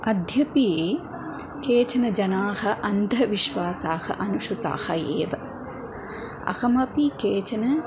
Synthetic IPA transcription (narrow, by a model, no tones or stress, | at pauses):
ɐd̪ʱjɐpije | keːt͡ʃɐnɐd͡ʒɐnaːhɐ̆ʔɐnd̪ʱɐʋiʃʋaːsaːhɐ̰ʔɐnuʃut̪a̰ːhɐḛːʋɐ | ɐ̰xɐmɐpikeːt͡ʃɐnɐ